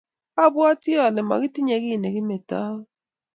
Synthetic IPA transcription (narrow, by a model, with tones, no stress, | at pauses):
a˦bwa˦ti˦ɔ˨nɛ˨ma̰˨ɣɪ˦ti˦ɲe˨˦ɣɪ˦˨ne˨ɣɪ˦mɛ˨ta˦